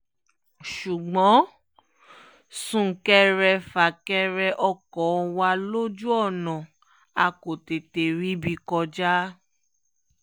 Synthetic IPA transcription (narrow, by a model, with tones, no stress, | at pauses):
ʃu˨ɡ͡bɔ̃˨˦ | sũ˦˨kɛ˦ɾɛ˧fa˨kɛ˧ɾɛ˧ʔɔ˧kɔ˨˦˧wa˧lo˦d͡ʒu˦ɔ˦˨nɔ̃˨ | a˧ko˨te˨te˨ɾi˦bi˧kɔ˧d͡ʒa˦